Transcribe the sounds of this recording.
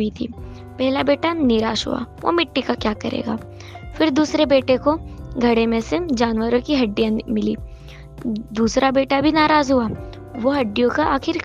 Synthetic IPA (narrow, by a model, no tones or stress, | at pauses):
it̪ʰḭː | pɛɦlabeːʈanɪɾaːʃɦṵa̰ːʋo̰mɪʈːikakjaːkɐɾḛːɡa̰ː | fɪɾd̪uːsɾebeːʈekoɡʱɐɽemẽsed͡ʒaːnʋəɾõkiɦɐɖːijãmɪlḭː | d̪uːsɾʔabeːʈabʱinaːɾaːzɦuaː | ʋoɦɐɖːijõkaʔaːxɪɾk